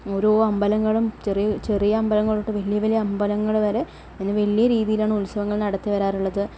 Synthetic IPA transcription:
oɾoɐmbɐlɐŋːɐɭumt͡ɕerijɐt͡ɕe̞rijɐɐmbɐlɐŋːɐɭoʈːɨʋɐlijɐʋɐlijɐɐmbɐlɐŋːɐɭʋɐɾe̞ | enːeʋɐlijɐɾiːðijilaːɳɨulsɐʋɐŋːɐɭnɐɽɐt̪ːiʋɐɾaːɾuɭːɐðɨ

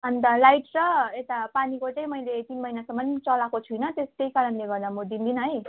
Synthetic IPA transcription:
ʌnt̪ʌlajʈt͡sʌet̪apanikot͡saĩmʌjlet̪inmʌjnasʌmːʌnt͡sʌlakot͡sʰujnʌt̪est̪ejkaɾʌnleɡʌrd̪amud̪ind̪inʌɦʌj

